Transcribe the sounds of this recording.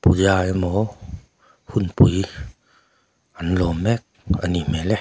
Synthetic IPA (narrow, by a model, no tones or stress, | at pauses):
puzajmɔ | hunpuj | ʔanlɔmɛk̚animɛlɛ